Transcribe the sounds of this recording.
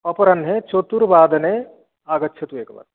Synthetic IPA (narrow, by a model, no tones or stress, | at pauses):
pɐpɐɾɐnɦet͡ʃot̪uɾʋaːd̪ɐneː | aːɡɐtːʃʰɐt̪uʋeːkɐʋɐ̰t̪